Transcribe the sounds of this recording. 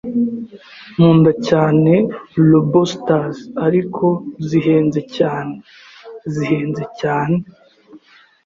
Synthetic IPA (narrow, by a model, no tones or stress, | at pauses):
muːndacaːne̞lobostazaɾikʰo̞ziɦe̞ːnze̞caːne | ziɦe̞ːnze̞caːne